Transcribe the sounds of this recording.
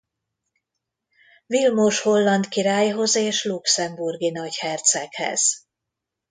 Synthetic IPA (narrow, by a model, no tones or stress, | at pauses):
vilmoːʃho̞lːɒnt̪kiɾaːjɦo̞zeːʃluksɛmburɡinɒɟhɛrt̪sɛkhɛ̰z̥